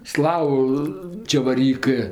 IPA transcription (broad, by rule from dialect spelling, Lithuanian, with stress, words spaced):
ˈslˠɑːʋʊ t͡ʃʲɛʋɐrʲˈiːkɜ